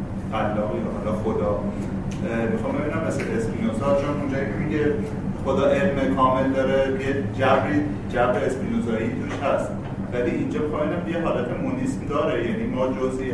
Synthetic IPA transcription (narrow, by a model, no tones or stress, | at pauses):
fælːɒːɣiːɾohɒlɒxod̪ɒː | mixɒmbe̞binæmːeseesminozɒt͡ʃʰonʔond͡ʒɒːicʰemiɡe | xod̪ɒːʔe̞lmekʰɒːme̞ld̪ɒːɾejed͡ʒæbɾiː | d͡ʒæbeːsminozɒːit̪ʰuʃhæst̪̚ | væliʔind͡ʒɒːmixɑmbiːnæmʰejexɒːlæt̪ʰemunismd̪ɒːɾejæniːmɒːd͡ʒozi